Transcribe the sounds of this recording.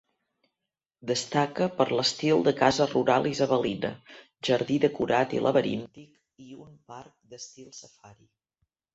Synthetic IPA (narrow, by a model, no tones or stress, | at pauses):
d̪əst̪akəpəɾləst̪ilˠd̪əkazəruɾalˠʔizəβəlinə̰ | ʒəɾðiðəkuɾat̪ḭlʔə̰βəɾḭnt̪ik | iumpaɾk̚d̪əst̪ilˠsəfaɾi